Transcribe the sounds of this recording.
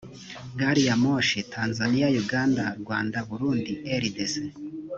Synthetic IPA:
ɡaɾijamoʃetʰaːnzanijajuɡandaɾɡwaːndaβuɾuːndieɾidese

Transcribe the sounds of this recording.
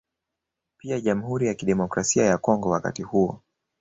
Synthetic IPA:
piaʄam̩huɾijakiɗɛmɔkɾasiajakɔŋɡɔwaka̰tihuɔ

